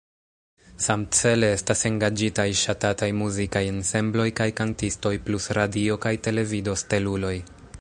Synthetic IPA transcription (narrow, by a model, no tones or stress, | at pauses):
samt͡se̞le̞e̞stase̞ŋɡad͡ʒitajʃatatajmuzikaje̞nse̞mblo̞jkajkantisto̞jplusɾadio̞kajte̞le̞vido̞ste̞lulo̞j